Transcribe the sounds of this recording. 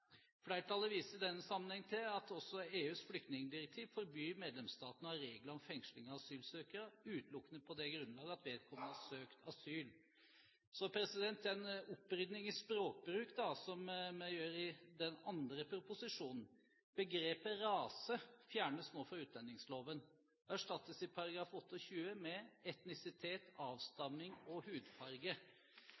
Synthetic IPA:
flæɪəʈʰɑlːəʋiːsəd̪ɛnːəsɑmːənhɛŋːt̪ʰɪlɑt̪ʰɔsːɔeːʉːsflʏk̚t̪nɪŋəd̪ɪɾɛk̚t̪ʰiːʋfɔɾbyːmeːd̪lɛmst̪ɑːt̪ənəɑɾeːɡləɾɔmfɛŋʂlɪŋɑʋɑsyːlsøːkəɾəʉːt̪lʊkːənəpʰɔd̪ɛɡɾʉnlɑːɡəɑt̪ʋeːd̪̚kʰɔmːənəhɑsøːkt̪ʰɑsyːl | sɔpʰɾɛsɪd̪ɛnt̪ɛnʊpːɾʏd̪nɪŋɪspɾoːk̚bɾʉːkd̪ɑsɔmɛjøːɾɪd̪ɛnɑnd̪ɾəpʰɾʊpʊsɪʂuːnn̩ | b̥əɡɾeːpəɾɑːsəfjæːɳəsnoːfɔɾʉːt̪̚d̪ɛnːɪŋsloːʋən | æʂʈɑt̪ːəsɪpʰɑɾɑɡɾɑːfɔt̪ːəɔçʉːəmɛɛt̪nɪsɪt̪ʰeːt̪ɑːʋst̪ɑmːɪŋɔhʉːd̪fɑɾɡə

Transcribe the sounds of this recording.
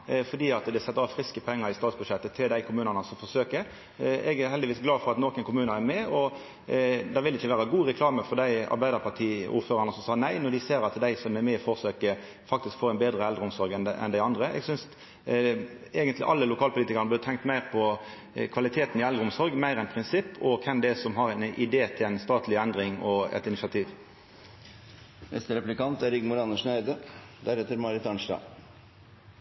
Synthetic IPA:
fɔdiːɑt̪d̪ɛsɛt̪ːəɾɑːʋfɾɪskəpʰɛŋːəɾɪst̪ɑːt̪sbʉd̪ʃɛt̪ːət̪ʰɪld̪æɪkʰʊmʉːnənəsɔmfɔɾsøːkəɾ | ɛɡæɾhɛld̪ɪʋiːsɡlɑːfɔɾɑt̪nɔkənkʰʊmʉːnəæɾmɛɔ | d̪ɑʋɪlɪçːəʋæːɾɑɡuːɾɛkʰlɑːməfɔd̪æɪɑ̰ɾbæɪd̪əɾpʰɑʈʰiːṵːɾføːɾɑʁnəsɔmsɑːnæɪnɔd̪ɪseːɾɑt̪d̪æɪsɔmæɾmɛfɔsøːkə | fɑk̚t̪ɪskfoːɛnbeːd̪ɾəɛld̪ɾəʊmsɔɾɡɛnɛ̰nd̪æɪɑnd̪ɾəɛ̰ɡsʏns | eːɡənt̪lɪ̰ʔɑlːəlʊkʰɑːlpʊliːt̪ɪkɑɾʁnəb̪ɪʁt̪ʰɛŋkt̪mæɪʁpʰɔ | kʰʋɑlɪt̪ʰeːt̪n̩ɪɛld̪ʁəʊmsɔɾɡmæɪɾɛnpʰʁɪnsɪpːɔkʰɛnd̪ɛsɔmɦɑɾæɪnɪd̪eːt̪ʰɪlæɪnst̪ɑːt̪ʰlɪɛnd̪ɾɪŋɔɛ̰t̪ɪnɪsɑt̪ʰiːʋ | nʔɛ̰st̪əɾɛplɪkɑnt̪æɾɪɡmʊɾɑnəʂnæɪd̪əd̪æɾɛt̪ːəɾmɑɾɪt̪ɑnʂdɑ̰ː

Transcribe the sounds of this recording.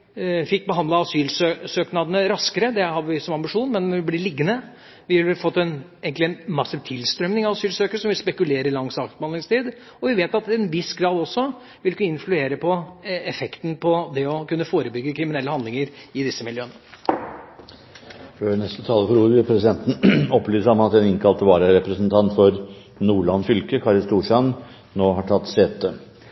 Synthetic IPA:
fɪkːbəɦɑnd̪ɑɑsyːlssøːknɑd̪ənəɾɑskəɾəd̪ɛhɑɾʋɪsɔmɑmbɪʂuːnmɛnɔʋɪblɪɭɪɡːənə | ʋɪʋɪfɔt̪ːɛneːɡŋk̪lɪɛnmɑsːət̪ʰɪlst̪ɾœmnɪŋɑʋɑsyːlsøːkəɾəʂɔmʋɪlspɛkʉleːɾəɾɪlɑŋsɑːk̪bɑnd̪ɪŋst̪ʰiːd̪ | ɔʋɪʋeːt̪ɑt̪ɛnʋɪsɡɾɑːd̪ɔsːɔ | ʋɪlkːəɪnflʉeːɾəpʰɔɛfɛkt̪n̩pʰɔd̪ɛɔkʉnːəfoːɾəbʏɡːəkʰɾɪmɪnɛlːəhɑnd̪lɪŋəɾɪd̪ɪsːəmɪljøːnə | føːnɛst̪ət̪ʰɑːləfɔɾuːɾʋɪlpʰɾɛsɪd̪ɛnt̪n̩ɔplyːsɑmɑt̪ɛnɪŋkʰɑlt̪ʰːəʋɑːɾəɾɛpɾəsnt̪ʰɑnt̪fɔɾ | nuːɭɑnːfʏlkəkʰɑɾɪst̪uːʂɑn | noːɦɑʈʰɑt̪ːseːt̪ə

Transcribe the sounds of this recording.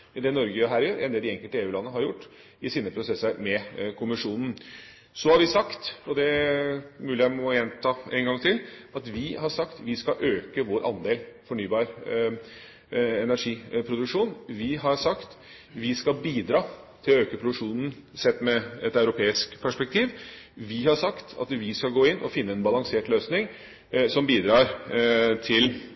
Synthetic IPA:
d̪ɛnɔɾɡəɦæːɾjøːɾʔɛ̰nd̪eːld̪ɪɛŋkəlt̪əeːʉːlɑnːəɦɑɾjʊʈː | ɪsiːnəpʰɾʊsɛsːəɾmɛkʰʊmɪʂuːnn̩ | sɔhɑɾʋɪsɑkt̪ɔd̪ɛ | mʉːlɪjæɪmɔjɛnt̪ʰɑːɛŋɡɑŋt̪ʰɪlɑt̪ʋɪhɑʂɑkt̪ʋɪskɑʔøːkəʋoːɾʔɑ̰nd̪eːlfɔɳyːbɑːɾ | ɛnæɾʂiːpʰɾʊd̪ʉkʂuːnʋɪɦɑɾsɑkt̪ | ʋɪskɑlbiːd̪ɾɑːt̪ʰɪlɔøːkəpʰɾʊd̪ʉkʂuːnn̩ | sɛt̪ːmɛɛt̪ɑʉɾʊpʰeːɪskpʰæʂpɛkt̪ʰiːʋʋɪhɑʂɑkt̪ʰɑ̰t̪ʋɪskɑlɡoːɪnːʔɔfɪnːəɛnbɑlɑŋseːʈløːsnɪŋ | sɔmbiːd̪ɾɑːɾt̪ʰɪl

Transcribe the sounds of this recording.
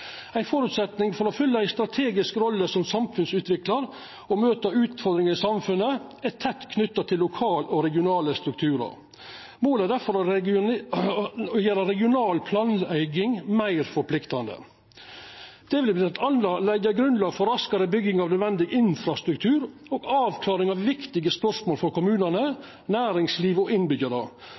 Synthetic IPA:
æɪfɔɾʉt̪sɛt̪nɪŋfɔɾɔfʏlːəæɪst̪ɾɑt̪ʰeːɡɪskɾɔlːəsɔmsɑmfʉnsʉːt̪ʋɪklɑɾ | ɔmøːt̪ɑʉːt̪fɔɾd̪ɾɪŋəɾɪsɑmfʉnːəæt̪ʰɛt̪ːkʰnʏt̪ːɑt̪ʰɪlːʊkʰɑːlɔɾɛɡɪʊnɑːləst̪ɾʉk̚t̪ʰʉːɾɑ̰ɾ | moːlæɖ̪æfɔɾ | jɛɾəɾɛɡɪʊnɑːlpʰlɑːnæɪɡɪŋmæɪɾfɔɾpʰlɪkt̪ɑnd̪ə̰ | d̪̥ɛʋɪlblɪt̪ʰɑnlɑlɛɡəɡɾʉnd̪lɑːɡfɔɾɑskɑɾəbʏɡːɪŋɑʋnœd̪ʋɛnd̪ɪɡɪnfɾɑst̪ɾʉkt̪ʰʉːɾoːɡɑːʋkʰlɑːɾɪŋɑʋʋɪkt̪ɪɡəspœɾʂmoːlfɔɾkʊmʉːnənə | næːɾɪŋsliːʋɔɪnbʏɡəɾə

